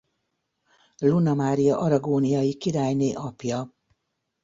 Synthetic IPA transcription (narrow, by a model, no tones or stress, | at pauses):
lunɒmaːɾijɒʔɒɾɒɡoːnijɒjikiɾaːjneːʔɒpjɒ